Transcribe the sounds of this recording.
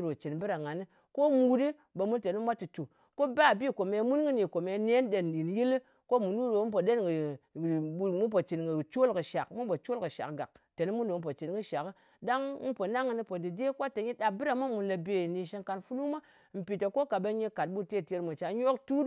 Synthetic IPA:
ɾo˨t͡ʃi˨nbɨ˦ɾa˨ŋa˨nɨ˦ | ko˦mu˨di˦ | be˨mu˦nte˨ni˦mʷ˦a˦ti˨tu˨ | ko˦ba˦˨bi˦˨ko˨me˧˦mu˦nɡɨ˦ni˨ko˨me˨˧˦ne˦nɗe˨n˨ɗi˨n˨ji˦li˦ | ko˦mu˨nu˦ɾo˨˦p̬o˨ɗe˦nɡɨ˨˦ | mu˦p̬o˨t͡ʃi˨nɡɨ˨t͡ʃo˦lkɨ˨ʃa˨kmu˦po˨t͡ʃo˦lkɨ˨ʃa̰˨kɡa̰˨k̚te˨ni˦mu˦ndo˨˦p̬o˨t͡ʃi˨nɡɨ˦ʃa˨kɨ˦ | da˦ŋmu˦po˨na˦ŋːɨ˨ni˦po˨di˨de˦kwa˦te˨ɲi˦ɗa˨bɨ˦ɾa˨ma˦mu˨nla˨be˨ni˨ʃe˧nka˧nfu˦lu˦ma˦ | m̩˨pi˨ta˨ko˦ka˨ba˧ɲe˦ka˨t̚ɓu˦te˦˨te˧ɾmu˨t͡ʃa˨ɲ˦o˦ktu˦

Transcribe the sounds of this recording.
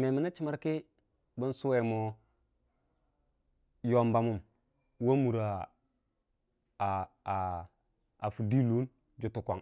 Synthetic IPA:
me˨mi˨na˦t͡ʃi˦ma˦ɾki˦ | bə˦n˦su˦we˨mo˦ | jo˨mba˨mu˦˨m | wa˦mu˨ɾa˨ | a˨fu˨di˦lu˦n | d͡ʒu˨tu˨kʷa̰˨ŋ

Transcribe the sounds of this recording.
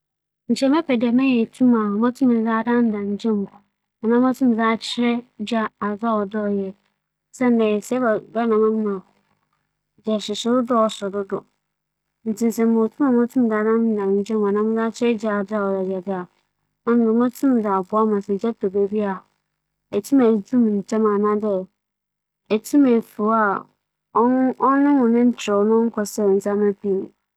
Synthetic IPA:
n̩˨t͡ʃɛ˦mɛ˦pɛ˨dɛ˨mɛ̃˦ɲɛ˨tʰũ˦ma˨mã˦tʰũ˦m˨˦za˦dã˦n̩˦dã˨n̩˦d͡ʒɛ̃˦m˨ | ɔ˨nã˦ma˦tʰũ˦m˨za˦t͡ɕʰɪ˦ɾɛ˦d͡ʒa˦a˨d͡za˦ɔ˨dɔ˦˨jɛ˨˦ | sɛ˦n˦dɛ̃˨sɛ˦ba˨ba˦nã˨mã˦m˦mã˨ | d͡ʒɛ˨sɪ˨sʊ˦ɾʊ˦dɔ˦ɔ˨sʊ˨dʊ˦dʊ˨ | n̩˨tʰĩ˨sɛ̃˨mo˨tʰũ˦mã˨mʊ̃˦tʰũ˦m˨da˨nã˦n˦dã˨m˨n˦d͡ʒɛ̃˦m˨ã˨nã˦m˦da˦t͡ʃʰɪ˦d͡ʒa˦a˨da˨ɔ˨ɾa˨d͡ʒɛ˨dɪ˦a˨ | mã˦m˨ʊ̃˨mã˦tʰũ˦m˨da˨bʊ˦a˦mã˨sɛ˨d͡ʒɛ˦to˨be˨bi˦a˨ | ɛ˨tʰu˦mɛ˨tʰũ˦m˨n̩˨tʰɛ˦mã˨nã˦dɛ˦˨ | ɛ˨tʰu˦mɛ˨fu˨˦a˨˦ | ɔ˦nɪ̃˦nʊ̃˨nɪ̃˦n̩˦t͡ʃʰɪ˨ɾɔ˨nʊ̃˦kʰɔ˨sɛ˦˨n̩˨sa˦ma˦pi˦ñ˨

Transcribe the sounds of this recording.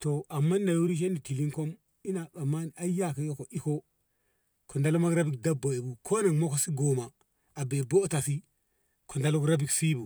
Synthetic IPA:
to˨a˨mːa˦nda˨ju˦ɾi˦ʃ̬e˦ni˨ti˨li˦ŋko˦m | i˦na˨ka˨mːa˦na˦ja˦ke˦jo˦ko˨ʔi˦ko˦ | kʰo˨nda˦lo˦ma˦kɾa˦bi˨k̚da˦bo˨e˨bu˨kʰo˦na˨ŋmo˦ko˨si˦ɡo˨ma˨ | a˨be˨bo˦ta˨si˦ | kʰo˨nda˦lo˦kɾa˦bi˨ksi˦bu˨

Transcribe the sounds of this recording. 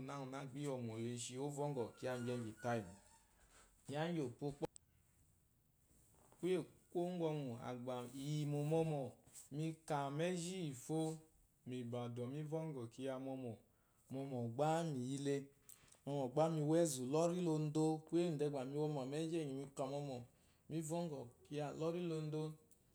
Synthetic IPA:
na˦u˨na˨˦ɡ͡bi˦ɔ˨mɔ˨e˧ʃi˧o˦vɔ˦ŋ˦ɡɔ˨ki˧˦a˧m˨d͡ʒɛ˧m˨ɡi˨ta˦i˨m˨ | i˨˦a˦n˦jo˨k͡po˧k͡pɔ˦ | ku˦e˦ko˦ŋ˦ɡɔ˧ŋu˨a̰˨ɡ͡ba˨i˨ji˨mo˨mɔ˧mɔ˨mi˧ka˨mɛ˦d͡ʒi˦i˨fo˦ | mi˨ba˨dɔ˨mi˦vɔ˦ŋ˦ɡɔ˨ki˧ja˧mɔ˧mɔ˨ | mɔ˧mɔ˨ɡ͡ba˦mi˨ji˦le˧ | mɔ˧mɔ˨ɡ͡ba˦mi˧wɛ˦zu˨lɔ˦ɾi˦lo˧n̩˦do˦kʷe˦˨dɛ˧˨ɡ͡ba˨mi˧˦wɔ˦mɔ˨mɛ˦d͡ʒe˦˨ɲi˨mi˧ka˨mɔ˧mɔ˨ | mi˦vɔ˦ŋ˦ɡɔ˨ki˧ja˧lɔ˦ɾi˦lo˧n̩˦do˦

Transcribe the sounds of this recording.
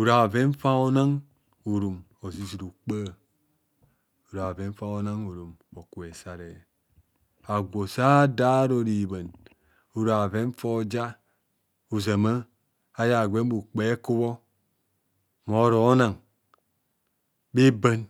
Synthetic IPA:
u˨ɾa˨ve˦n˦fa˦o˦na˦ŋ | u˨ɾu˨mo˨zi˦zi˨ɾu˨k͡pə˦˨ | u˨ɾa˨ve˦ɱ˦fa˦o˦na˦ŋu˨ɾu˨mo˨ku˨e˨sa˦ɾe˨j | a˨ɡʷo˨sa˦da˦ɾo˨ɾi˨ba˨n | u˨ɾa˨ve˦n˦fo˦˨˦d͡ʒa˦ | u˨za˨ma˦ | a˦ja˨ɡʷe˦m˦bu˨k͡pe˨˦ku˦βo˦ | mo˨˦ɾo˨˦na˨ŋ | be˦ba˦n

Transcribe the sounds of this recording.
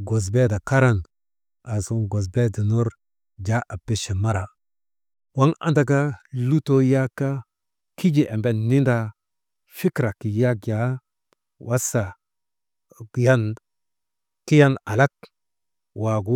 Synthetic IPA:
ɡo˨s̬be˦da˨ka˦ɾa˦n | a˨su˦ɡo˨s̬be˦di˨nu˦ɾ | d͡ʒa˦ʔa˨pːi˦ʃi˨ma˦ɾa˨ | wa˦ŋa̰˦nda˦ka˦lu˦to˦ja˦kːa˦ | ki˦d͡ʒi˨ʔe˨mbe˨nːi˦nda˨ | fi˦kɾa˨ki˨ja˦kja˨˦ | wʔa˦sa˨ | ja˦n | ki˦ja˦na˨la˦k̚ | wa˨ɡu˦

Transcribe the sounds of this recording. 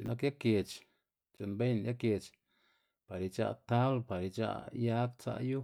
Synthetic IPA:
na˧k̬ja˦ke˨t͡ʃ | t͡ʃo˨nbe˦jnja˦ke˧t͡ʃ | pa˨ɾi˧t͡ʃa̰˧ʔt̪a˦blpa˨ɾi˧t͡ʃa̰˦˧ʔja˦k̚t͡sa̰˧ʔju˦

